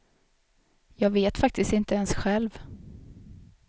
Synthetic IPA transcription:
jɑːɡveːt̪fak̚t̪ɪst̪ɪnt̪əɛnsɧɛlv

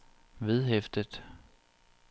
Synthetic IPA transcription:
ʋeð̞ˠɦefd̥əð̥ˠ

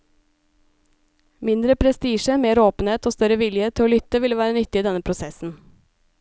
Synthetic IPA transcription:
mɪnd̪ɾəpʰɾɛst̪iːʃəmeːɾoːpn̩eːt̪oːst̪œɾəʋɪljət̪ʰɪoːlʏt̪əʋɪləʋæːɾənʏt̪ɪiːd̪ɛnəpʰɾʊsɛsn̩

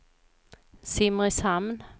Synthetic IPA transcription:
sɪmʁɪshamn

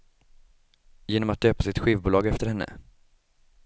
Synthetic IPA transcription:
jeːnɔmat̪̚d̪øːpasɪt̪ɧiːvbuːlɑːɡɛft̪əɾhɛnːə̰

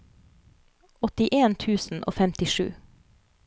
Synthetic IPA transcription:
ɔt̪ɪʔeːnt̪ʰʉːsn̩ʔo̰ːfɛmt̪ɪʃʉ̰ː

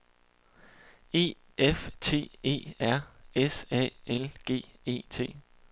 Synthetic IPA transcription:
e̝̰ː | eft͡sʰe̝̰ːe̝̰ːæɐ̰esɛ̰ːelɡ̥e̝̰ːe̝̰ːt͡sʰe̝̰ː

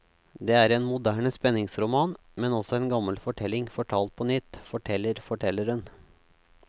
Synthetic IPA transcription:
d̪eːæːɾeːnmʊd̪æːɳəspɛnːɪŋsɾʊmɑːn | mɛnɔsɔeːnɡɑməlfɔʈʰɛlɪŋfɔʈʰɑːlt̪̚pʰɔnʏt̪ːfɔʈʰɛlːəɾfɔʈʰɛlːəɾən

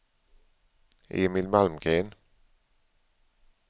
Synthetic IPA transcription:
ʔḛːmɪlmalmɡeːn

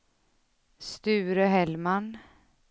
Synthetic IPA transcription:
st̪ʉ̟ːɾəɦɛlman

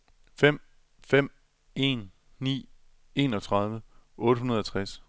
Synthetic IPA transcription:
fem̰ | fem̰ | e̝ːnː | ḭː | e̝ːnɒ̽t͡sʰʁɑ̈ð̞ˠʋəʔɔ̽ːɾ̥əɦunɐð̞ˠɒt͡sʰʁas

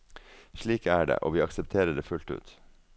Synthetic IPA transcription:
ʃɭiːkæːɖḛːʔo̰ːʋiːɑksɛpt̪ʰeːɾəɖeːfʉlt̪ʉ̰ːt̪

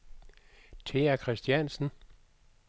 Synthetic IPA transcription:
t͡sʰe̝ækʰʁɛsd̥jænsn̩

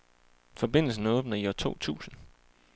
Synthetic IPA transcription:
fɒ̽b̥e̝n̰l̩sn̩ɔ̽ːb̥nɐiɒt͡sʰo̝̰ːt͡sʰṵːsn̩

